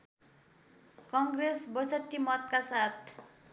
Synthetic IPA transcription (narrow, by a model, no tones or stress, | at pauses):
kʌŋɡresbʌsʌʈːimʌt̪̚kasat̪ʰ